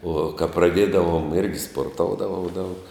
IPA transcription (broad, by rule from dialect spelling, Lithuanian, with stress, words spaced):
oː kɐ prɐˈdʲeːdɐʋoːm ɪrʲɡʲɪ spoːrˈtoːʊdɐʋɐʊ dɐʊk